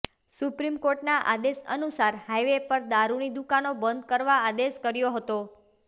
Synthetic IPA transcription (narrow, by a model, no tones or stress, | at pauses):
supɾimkoɾʈnaʔa̰d̪esə̰nusaɾhajʋepəɾd̪aɾunid̪ukanobənd̪̚kəɾʋaːd̪eʃkəɾjoɦət̪o